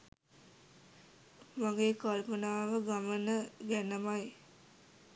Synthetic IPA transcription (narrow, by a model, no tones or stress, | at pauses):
maŋɡeːkalmənaːʋəɡamənəɡænəmaj